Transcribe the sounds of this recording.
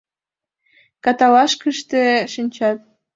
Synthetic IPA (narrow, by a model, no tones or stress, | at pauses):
kɑt̪ɑlɑʃkəʃt̪eʃinʲt͡ɕɑt̪̚